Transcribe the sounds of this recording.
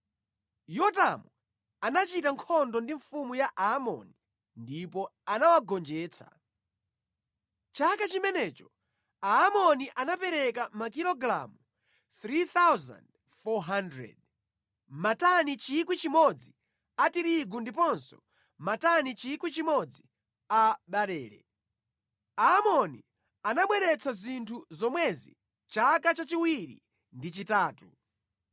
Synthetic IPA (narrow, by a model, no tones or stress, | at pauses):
jɔtamu | anat͡ʃitaŋkʰɔndɔndiɱfumujaʔaːmɔ̰ni | ndipɔanawaɡɔnd͡ʒɛːt͡sʰḁ̰ | t͡ʃakat͡ʃimɛnɛt͡ʃɔ̥ | aːmɔniʔanapɛɾɛkamakilɔɡɾa̰mu | θɾiθawza̰nd | fɔɦandɾɛ̰d̚ | matanit͡ʃikwit͡ʃimɔd͡zi | atiɾiɡundipɔnsɔ̥ | matanit͡ʃikwit͡ʃimɔd͡zi | aɓaɾɛːɾɛ̰ | aːmɔnḭ | anaɓwɛɾɛt͡sʰazintʰuzɔmwɛzḭ | t͡ʃakat͡ʃat͡ʃiwiɾḭ | ndit͡ʃitaːtu